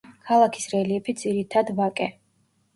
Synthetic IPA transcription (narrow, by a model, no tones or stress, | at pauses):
kʰalˠakʰi̥sɾɛliɛpʰid̪ziɾit̪ʰad̪vakʼɛ